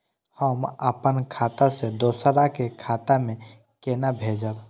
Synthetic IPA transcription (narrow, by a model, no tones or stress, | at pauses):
həməpənkʰaːt̪ased̪oːsɾakekʰaːt̪amẽ | keːnabʱeːd͡ʒəb